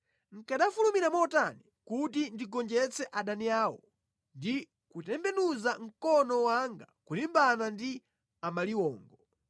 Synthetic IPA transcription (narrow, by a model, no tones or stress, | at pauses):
ŋ̩kaɗafulumiɾamɔtani | kutindiɡɔnd͡ʒɛt͡sɛʔaɗaniaːwɔ̰ | ndi | kutɛmbɛnuzaŋ̩kɔnɔwaŋɡakulimbanandi | amaliwɔːŋɡɔ